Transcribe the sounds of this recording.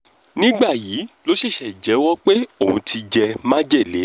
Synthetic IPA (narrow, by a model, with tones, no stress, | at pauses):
nĩ˦ɡ͡ba˦˨jiː˨˦lo˦ʃe˦˨ʃɛ˨d͡ʒɛ˨˦wɔ˦k͡pe˦o˦˨ũ˧tʰi˧d͡ʒɛ˧mã˦d͡ʒɛ˦˨le˨˦